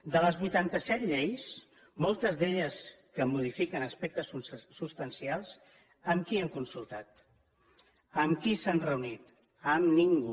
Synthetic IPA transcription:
d̪ələzβujt̪ant̪əsɛt̪ʎejs | mɔlˠt̪əzðeʎəskəmuð̞ifikənəspɛk̚t̪əssust̪ənsialˠs | əmkiəŋkunsulˠt̪at̪ | əmkisanrəunit̪ | əmniŋɡu

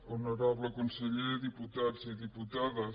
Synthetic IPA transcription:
onoɾaβləkonseʎeðiput̪adziðiput̪aðə

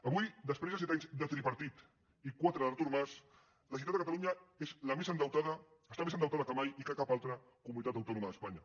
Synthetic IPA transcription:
əβujd̪əspɾezəsɛt̪̬aɲzd̪ət̪ɾiβəɾt̪it̪ | ikwat̪ɾəðəɾt̪uɾmas | ləɐs̬iut̪ad̪əkat̪aluɲaezləmezənd̪əwt̪aðəəst̪amesənd̪əwt̪aðəkəmajikəkapalˠt̪ɾə | kumunit̪at̪ɐwt̪ɔnuməðəspaɲɐ

